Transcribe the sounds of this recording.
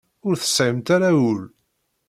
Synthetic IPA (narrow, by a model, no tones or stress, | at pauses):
ʊɾθə̥sˤʕɪmt̪aɾawul